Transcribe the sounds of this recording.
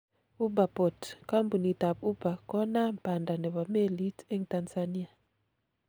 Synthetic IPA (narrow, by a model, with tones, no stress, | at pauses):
u˦ba˨pɔ˨tka˦mbu˨ni˨ta˨pu˦ba˨kɔ˦na˦mpa˨nda˨nɛ˨ba˨me˦˨li˦te˦ŋta˨nsa˨ni˦a˨